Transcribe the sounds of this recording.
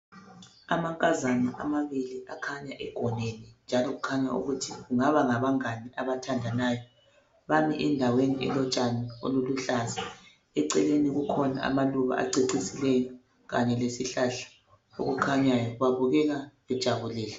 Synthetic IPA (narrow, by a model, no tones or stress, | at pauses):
amaŋkʼazanaʔa̰maβiliʔakʰaɲaʔɛɡ̥ʱɔnenind͡ʒʱalɔɣukʰaɲaṵɣutʰiɣuŋaβaŋaβaŋaniaβatʰandʱanaːjɔ | βamiʔɛndʱaweniʔɛ̰lɔt͡ʃʼanao̰luluɬaza | ɛǀɛleniɣukʰɔna̰a̰maluβa̰ʔa̰ǀiǀisilɛja | ɣa̰ɲɛlesiɬaɬḁ | o̰ɣukʰaɲajɔβaβuɣɛɣalɛd̥ʒ̥ʱaβuliːlɛ